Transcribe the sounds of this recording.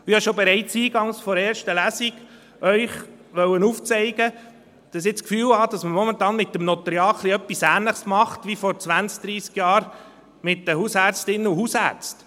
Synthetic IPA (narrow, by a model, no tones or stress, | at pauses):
ɪhɑʃobɛɾɛɪt͡siːɡɑŋsfɔɾɛːɾʃtəlæsiɡ̥ | ʔœʏχ | ʋœwənuːft͡sɛɪɡə | d̥ɑs̬ɪt͡skfyːlhɑd̥ɑsməmɔmənt̪ɑːnmɪtːəmnɔt̪ɾjɑːχʰliœpːisæːnləχsmɑχtʋifɔɾt͡sʋænsk̚d̥̪ɾiːskjɑːɾ | mɪtd̥əhusæːɾt͡stɪnːəuhusæ̰ːɾt͡st